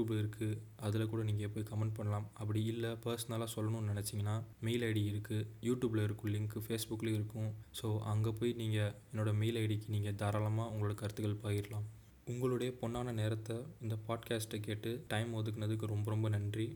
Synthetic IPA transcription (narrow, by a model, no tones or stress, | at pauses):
uːbɪɾɯkʰːɯ | ɐðɪlɐkuːɽɐniːŋɡɐɛpːoːjkɐmɛɳɖ̚pɐɳːɐlaːmɐp̬ːɐɽiɪlːɐpɐɾsɐnɐlaːsɔlːɐnʊ̃nɪnɛt͡ʃːɪŋɡɐnːaːmeɪlɐɪɽiɪɾɯkːɯjuːʈjuːblɐɪɾɯkːʊ̃lɪŋkːɯfeːsbʊkːlɪɾɯkːʊ̃soːʔɐŋɡepoːjniːŋɡɐɛnːoːɽɐmeɪlɐɪɽɪkːɯniːŋɡɐd̪aːɾaːlɐmaːʊŋɡɐɭɯɭɯkːɯɐɾɯt̪ːɯɣɐɭpoːjɪɾɐlaːm | ʊŋɡɐɭɯɽɐjɐpɔɳːaːnɐneːɾɐt̪ːɐɪnd̪ɐpaːɖkaːsʈɐkeːʈːɯʈɐɪmʋɐðɯkːɐnɐðɯkːɯɾɔmbɐɾɔmbɐnɐndri